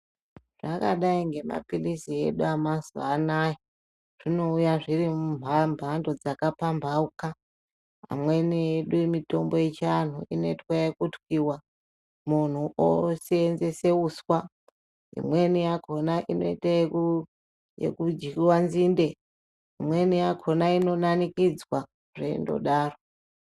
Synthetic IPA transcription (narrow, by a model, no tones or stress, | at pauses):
ʐ̥aka̰ɗaiŋɡe̞ma̰pilisie̞̰ɗuamazanaji | ʐ̥ino̞ujaʐirimumbʱambʱando̞d͡zakapambʱauka | a̰mwe̞nieɗumito̞mbo̞jet͡ʃan̤uʔino̞itwajekutwiwa | mun̤uʔo̰seːnze̞se̞uswa | ḭmwe̞nijakʰo̞naʔino̞itae | jḛkud͡ʒiwanzinde̞ | imwe̞nijakʰo̞naino̞nanikid͡zwa | ʐḛndo̞̰ɗaːro